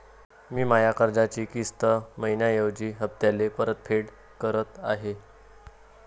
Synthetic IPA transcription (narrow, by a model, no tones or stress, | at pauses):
miːmajakəɾd͡zat͡ɕiːkist̪əməjnjajəʋd͡ʑiːɦəp̚t̪jalepəɾət̪̚fʰeɽ | kəɾət̪aɦe